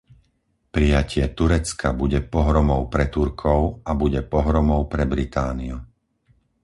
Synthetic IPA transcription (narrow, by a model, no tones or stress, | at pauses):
pɾijacɪɛt̪uɾɛt͡skabuɟɛpɔɦɾɔmɔʊpɾɛt̪uɾkʰɔʊabuɟɛpɔɦɾɔmɔʊpɾɛbɾit̪aːniu